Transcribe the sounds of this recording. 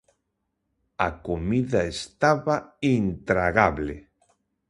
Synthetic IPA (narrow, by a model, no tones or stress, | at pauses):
akomiðaest̪aβaint̪ɾaɣaβle